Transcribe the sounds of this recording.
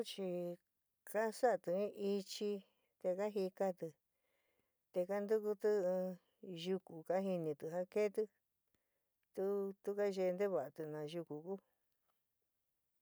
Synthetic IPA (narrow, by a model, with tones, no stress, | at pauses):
t͡ʃi˧ | ka˦sa˦ʔt̪ɨ˧ĩ˦ʔi˧t͡ʃi˧ | t̪e˧ka˦ɦi˧ka˦t̪ɨ˧ | t̪e˧ka˦nd̪u˦ku˧t̪ɨ̃˦˧ | ʒu˧ku˨ka˦ɦi˧nĩ˧t̪ɨ˧˨ɦa˦ke˦t̪ɨ˧ | t̪u˦t̪u˦ka˦ʒe˧nd̪e˦βa˨ʔa˨t̪ɨ˧nã˨ʒu˧ku˨ku˦